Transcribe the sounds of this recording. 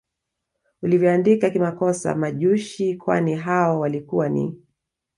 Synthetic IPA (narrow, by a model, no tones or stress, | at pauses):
ulivjɔandikakimakɔsa̰maʄuʃikwa̰niɦaɔwalikuwanḭ